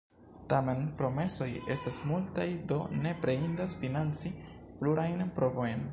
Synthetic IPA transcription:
tame̞npɾo̞me̞so̞je̞stasmultajdo̞ne̞pɾeindasfinant͡si | pluɾʔajnpɾo̞vo̞jn

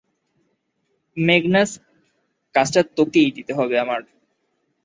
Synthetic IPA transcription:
meɡnas | kasʈat̪ːokejd̪it̪eɦɔbeamaɾ

